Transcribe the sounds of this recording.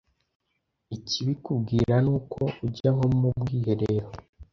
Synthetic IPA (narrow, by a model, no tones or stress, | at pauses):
iciβikubɡiːɾanuːkʰo̞uɟaɦo̞mubɡiːhe̞ɾeːɾo